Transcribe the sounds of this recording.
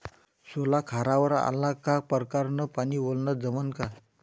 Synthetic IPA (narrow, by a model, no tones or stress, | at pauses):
solakʰaɾaʋəɾa̰lːakapəɾkaɾnəpaniːʋolnəd͡zəmənka